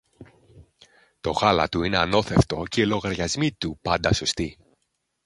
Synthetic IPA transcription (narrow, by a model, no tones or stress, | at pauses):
t̪o̞ɣɐlɐ̰t̪uine̞ɐno̞θe̞ft̪o̞ce̞ilo̞ɣɐɾʝɐzmit̪upɐnd̪ɐso̞st̪i